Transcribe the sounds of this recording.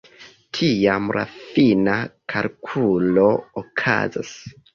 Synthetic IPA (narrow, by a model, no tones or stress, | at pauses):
tʰijamɾʔa̰finakʰalkʰulookʰa̰za̰s